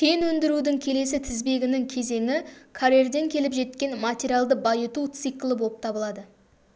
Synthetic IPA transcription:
t̪ʲʰejnwɵnd̪ɪɾud̪ɪŋkʲʰe̞le̞sɪt̪ʰɪzbe̞ɡʲɪnɪŋkʲʰe̞ze̞ŋɪkʰaɾerd̪e̞ŋkʲʰe̞lɪpʒe̞t̪̚kʲe̞nmatʲeɾijalˠd̪əbɑjət̪ut̪sɨjklˠəbo̞lˠəp̚t̪ʰɑbəlˠɑd̪ə

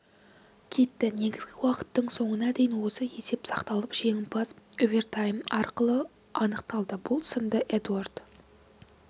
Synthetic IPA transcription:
kʲʰe̞t̪ːɪne̞ɡʲɪzɡʲɪwɑqə̥t̪ːəɴso̞ɴənɑd̪e̞jɪnwo̞səe̞se̞psɑqt̪ɑlˠəpʒe̞ŋʲɪpʰɑzovʲert̪ʰajmɑɾqəlˠə | ɑnəqt̪ɑlˠd̪əbʊlˠsənd̪əʔed̪uard̪̥

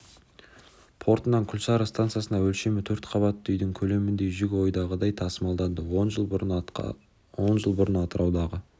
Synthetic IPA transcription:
pʰo̞ɾt̪ənɑŋkʲʰʏlʃɑɾəst̪ant̪sjasənd̪ɑwɵlʃe̞mɪt̪ʰɵɾt̪qʰɑβɑt̪ːʏjd̪ɪŋkʲʰɵle̞mɪnd̪e̞ʒʏɡʲɪwo̞jd̪ɑʁəd̪ɑjt̪ʰɑsəmɑlˠd̪ɑnd̪əwonʒəlˠ | wo̞nʒəlˠbʊɾənɑt̪əɾɑwd̪ɑʁə

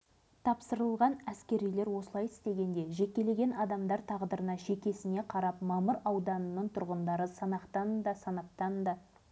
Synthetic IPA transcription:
t̪ʰɑpsəɾəlˠʁɑnæskʲe̞ɾijle̞ɾwo̞səlˠɑjɪst̪e̞ɡʲe̞nd̪e̞ʒe̞kʲːe̞le̞ɡʲe̞nɑd̪ɑmd̪ɑɾt̪ʰɑʁd̪əɾənɑʃe̞kʲe̞sɪne̞qʰɑɾɑpmɑməɾɑwd̪ɑnənːəɴt̪ʰʊɾʁənd̪ɑɾəsɑnɑqt̪ɑnd̪ɑsɑnɑp̚t̪ɑnd̪ɑ

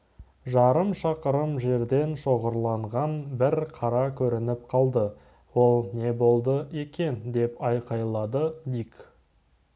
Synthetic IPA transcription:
ʒɑɾəmʃɑqəɾəmʒe̞ɾd̪e̞nʃo̞ʁəɾlˠɑɴʁɑnbɪɾqʰɑɾɑkʲʰɵɾɪnɪp̚qʰɑlˠd̪ə | wo̞lˠne̞bo̞lˠd̪əe̞kʲe̞nd̪e̞pɑjqɑjlˠɑd̪əd̪ik

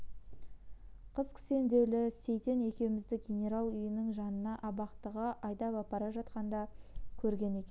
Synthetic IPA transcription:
qʰəzkʲʰɪ̥se̞nd̪e̞wlɪse̞jt̪e̞ne̞kʲe̞wmɪzd̪ɪk̚ɡʲenʲe̞ɾalˠʏjɪnɪŋʒɑnənɑʔɑbɑqt̪əʁəʔɑjd̪ɑpɑpɑɾɑʒɑt̪qɑnd̪ɑkʲʰɵɾɡʲe̞ne̞kʲen

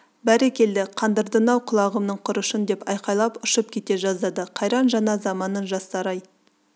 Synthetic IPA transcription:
bæɾekʲe̞ld̪ɪqʰɑnd̪əɾd̪ənɑwqʰʊlˠɑʁəmnəɴqʰʊɾəʃənd̪e̞pɑjqɑjlˠɑpʊʃəp̚kʲʰe̞t̪e̞ʒɑzd̪ɑd̪əqʰɑjɾɑnʒɑnɑzɑmɑnənʒɑst̪ɑɾɑj

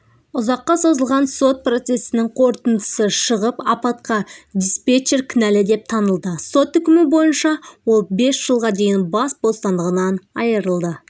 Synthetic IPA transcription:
ʊzɑqːɑso̞zəlˠʁɑnso̞t̪̚pro̞t̪se̞sɪnɪŋqʰo̞ɾt̪ənd̪əsəʃəʁəpɑpɑt̪qɑd̪ʲispet͡ʃeɾkʲʰɪnælɪd̪e̞p̚t̪ʰɑnəlˠd̪əso̞t̪ʏkʲɪmɪbo̞jənʃɑwo̞lˠbe̞sʒ̥əlˠʁɑd̪e̞jɪnbɑsbost̪ɑnd̪əʁənɑnɑ̰jəɾəlˠd̪ə

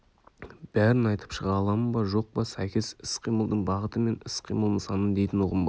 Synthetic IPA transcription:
b̥æɾɪnɑjt̪ə̥pʃəʁɑlˠɑməbɑʒo̞q̚pɑsækʲe̞sɪsqʰijməlˠd̪əɴbɑʁət̪əme̞nɪsqʰijməlˠəsɑnənd̪e̞jt̪ɪnoʁəmbɑ

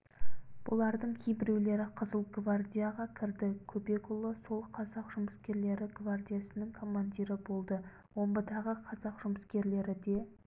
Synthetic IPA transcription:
b̥ʊ̰lˠɑɾd̪əɴkʲʰejbɪɾe̞wle̞ɾɪqʰəzəlˠɡvard̪ʲijaʁɑkʲʰɪɾd̪ɪkʲʰɵbe̞kulˠoso̞lˠqʰɑzɑqʒʊməskʲe̞ɾle̞ɾɪɡvard̪ʲijasənəŋkʰo̞mːanʲd̪ʲiɾɪbo̞lˠd̪ə | wʔo̞mbəd̪ɑʁəqʰɑzɑqʒ̥ʊməskʲe̞ɾle̞ɾɪd̪e̞

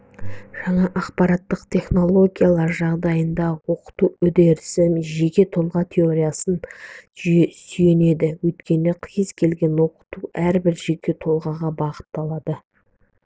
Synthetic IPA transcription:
ʒ̥ɑɴɑʔɑqpɑɾɑt̪ːəqt̪ʲʰe̞χno̞lˠo̞ɡʲijalˠɑɾʒɑʁd̪ɑjənd̪ɑwo̞qə̥t̪uɵd̪e̞ɾsɪmʒe̞kʲe̞t̪ʰo̞lˠʁɑt̪ʲʰe̞o̞ɾʲijasən | syje̞ne̞d̪ɪwɵjt̪kʲe̞nɪqʰjəzkʲʰe̞lɡʲe̞nwo̞qə̥t̪uʔæɾbɪɾʒe̞kʲe̞t̪ʰo̞lˠʁɑʁɑbɑʁə̥t̪ːɑlˠɑd̪ə

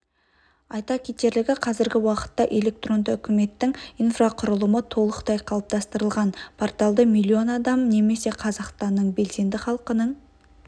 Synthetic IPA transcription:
ɑjt̪ɑkʲʰet̪e̞ɾlɪɡʲɪqʰɑzɪɾɡʲɪwɑqə̥t̪ːɑʔe̞le̞k̚t̪ro̞nd̪əʏkʲʰɪme̞t̪ːɪŋijnfraqʰʊɾəlˠəmət̪ʰo̞lˠəqt̪ɑjqʰɑlˠəp̚t̪ɑst̪əɾəlˠʁɑnpʰort̪ɑlˠd̪əmijlʲːio̞nɑd̪ɑmne̞me̞se̞qʰɑzɑqst̪ɑnːəɴbe̞lse̞nd̪ɪχɑlˠqənəɴ

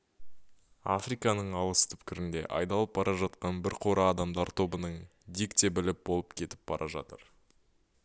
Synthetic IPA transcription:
a̰frijkɑnəɴɑlˠəst̪ʰʏ̥pkʲɪɾɪnd̪e̞ʔɑ̰jd̪ɑlˠəp̚bɑɾʔɑʒɑt̪̚qɑnbɪɾqʰo̞ɾɑːd̪ɑmd̪ɑɾt̪ʰo̞bənəɴ | d̪ikt̪ebɪlɪp̚bo̞lˠəpkʲʰe̞t̪ɪ̥p̚bɑɾʔɑʒɑ̰t̪əɾ

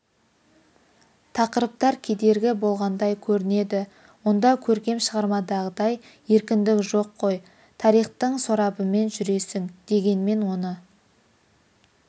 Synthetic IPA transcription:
t̪ʰɑqəɾəp̚t̪ɑɾkʲʰe̞d̪e̞ɾɡʲɪbo̞lˠʁɑnd̪ɑjkʲʰɵɾɪne̞d̪ɪ | wo̞nd̪ɑkʲʰɵɾkʲe̞mʃəʁɑɾmɑd̪ɑʁəd̪ɑj | e̞ɾkʲɪnd̪ɪkʒo̞qʰːo̞j | t̪ʰɑɾijχt̪əɴsoɾɑbəme̞nʒʏɾe̞sɪŋd̪̥e̞ɡʲe̞nme̞nwo̞nə

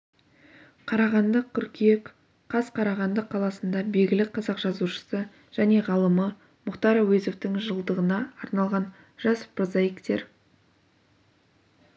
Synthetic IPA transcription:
qʰɑɾɑʁɑnd̪əq̚ʲʰʏɾkʲiek | qʰɑsqʰɑɾɑʁɑnd̪əqʰːɑlˠɑsənd̪ɑbe̞jɡʲɪlɪqʰɑzɑqʒ̥ɑzuʃə̥sə | ʒ̥æne̞ʁɑlˠəmə | mʊqt̪ɑɾwezo̞ft̪ɪŋʒəlˠd̪əʁənɑːɾnɑlˠʁɑn | ʒ̥ɑspəɾzɑjəkt̪e̞ɾ

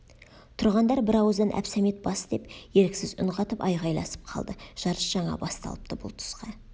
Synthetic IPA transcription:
t̪ʰʊɾʁɑnd̪ɑɾbɪɾɑwəzd̪ɑnʔæ̰psæmet̪̚bɑsd̪e̞pje̞ɾkʲsɪzʊ̰ɴʁɑt̪əpɑjʁɑjlˠɑ̰sə̥p̚qʰɑlˠd̪əʒ̥ɑɾəsʒ̥ɑɴɑ̰bɑst̪ɑ̰lˠəp̚t̪əbʊ̰lˠt̪ʰʊ̥sqɑ

